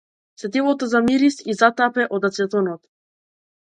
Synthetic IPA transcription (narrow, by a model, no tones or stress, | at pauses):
sɛt̪ilˠɔt̪ɔzamiɾisizat̪apɛʔɔd̪at̪sɛt̪ɔnɔt̪